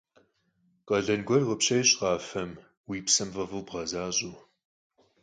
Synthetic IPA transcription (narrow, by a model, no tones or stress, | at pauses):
qʼɐɮɐnɡʷɔrʁəpɕɐjɕʼqɑːfɐm | wiːpsɐmvɐvɨwbʁɐzaːɕʼuː